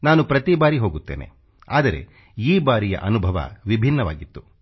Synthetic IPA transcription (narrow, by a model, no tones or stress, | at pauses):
naːnupɾɐt̪ibaːɾiɦo̞ːɡut̪ːe̞ːne̞̰ | a̰ːd̪ɐɾe̞̰ | iːbaːɾijɐ̰ʔɐnubʱɐʋɐ̰ʋibʱinːɐʋa̰ːɡit̪ːu̥